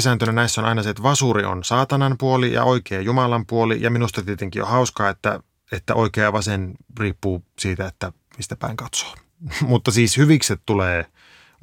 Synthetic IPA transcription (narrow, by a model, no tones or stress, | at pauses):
sæːnt̪ønænæisːonʔɑinɑset̪ʋɑsuɾio̰nsɑːt̪ɑnɑmpuolijɑ̰ʔoikeːjumɑlɑmpuolḭjɑminust̪ɑt̪iet̪eŋkḭjo̰hɑuskɑːet̪ːæ̰ | et̪ːæ̰ʔoikeɑʋɑsenriːpːuːsiːt̪æet̪ːæ | mist̪æpæ̰iŋkɑt̪so̥ː | mut̪ːɑsiːshyʋikset̪t̪uleː